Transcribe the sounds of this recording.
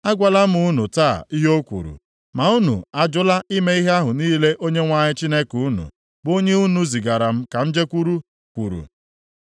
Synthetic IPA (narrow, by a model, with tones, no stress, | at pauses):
a˦ɡʷa˨la˦m̩˦u˦nu˨taː˦˨i˦ɦo˦kʷṵ˨ɾṵ˨ | ma˨u˦nṵ˨a˨d͡ʒʊ˦la˦ʔi˦me˦i˦ɦe˦a˦ɦʊ˨niː˦le˦ʔo˦ɲe˦ŋʷa˦ɲɪ˦t͡ʃi˦ne˦ku˦nṵ˨ | bo˦ɲe˦u˦nu˨zi˨ɡa˨ɾa˨m̩˦ka˨n̩˦d͡ʒe˦kʷu˦ɾu˦ | kʷṵ˨ɾṵ˨